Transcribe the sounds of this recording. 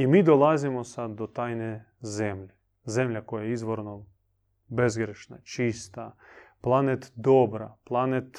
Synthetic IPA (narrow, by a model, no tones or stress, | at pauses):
imiːd̪olˠazimosad̪ːot̪aːjne | zemʎe | ze̞mʎʲakojajeizʋoɾno | bezɡɾeʃna̰t͡ʃist̪aplˠanet̪d̪obɾa̰plˠanet̪